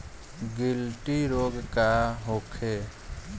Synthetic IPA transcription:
ɡilʈiɾoɡkaɦokʰe

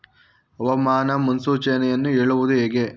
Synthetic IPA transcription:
ɐʋɐmaːnɐmɐnsuːt͡ʃɐjɐnɐjɐnːueːɭuʋud̪ueːɡe

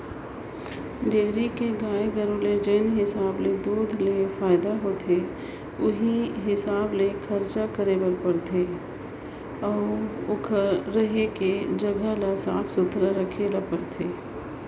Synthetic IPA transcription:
ɖeːɾikeɡaːeɡəɾuːled͡ʒeːnɦɪsaːbled̪uːd̪ʱlefaːɪd̪aɦoːt̪ʰe | ʊɦiɦɪsaːblekʰəɾt͡ʃakəɾeːbəɾpɐɾt̪ʰeː | ɔːɾʊkʰəɾəɦeked͡ʒɐɡəlasaːfsʊt̪ɾaɾəkʰelapəɾt̪ʰeː

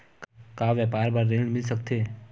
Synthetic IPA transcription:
kkaʋɛpaːɾbaɾːeɽ̃mɪlsək̚t̪ʰe

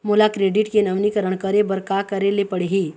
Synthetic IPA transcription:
moːlakɾeːɖɪʈkenəʋnikəɾəɽ̃kəɾebəɾkakɐɾelepəɽeɦiː

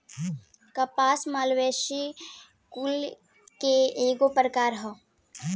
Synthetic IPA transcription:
kəpaːsmaːlʋeːʃi | kul | keeːɡopɾəkaːɾɦə

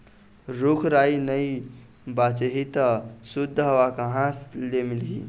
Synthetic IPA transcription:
ɾukʰɾainəj | bat͡ʃeɦit̪əsud̪ʱːɦəʋakəɦãslemilɡḭ

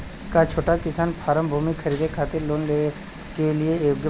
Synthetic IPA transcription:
kat͡ʃʰoːʈakɪsaːnpʰaːɾəmbʱuːmikʰəɾiːd̪ekʰaːt̪ɪɾloːnle | kelɪejoːɡjə

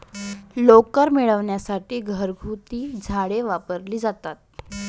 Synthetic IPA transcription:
lokəɾmiɭəʋɳjasaʈiːɡʱəɾɡʱut̪iːd͡zʱaɽeʋapəɾliːd͡zat̪at̪̚

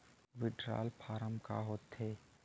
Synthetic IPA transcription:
ʋɪɖɾa̰ːlpʰaːɾəmka̰ɦoːt̪ɦɛː

